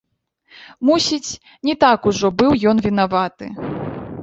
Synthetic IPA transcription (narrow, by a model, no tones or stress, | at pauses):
musʲit͡sʲ | nʲɛt̪akuʐɔbɨwjɔnvʲinavat̪ɨ̰